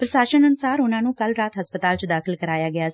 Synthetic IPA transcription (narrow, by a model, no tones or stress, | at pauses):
pɾəʃaːʃənənʊsaːɾʊnãːnũːkəlɾaːt̪ɦəspət̪aːlt͡ʃəd̪aːkʰɪlkəɾaːjaːɡɪaː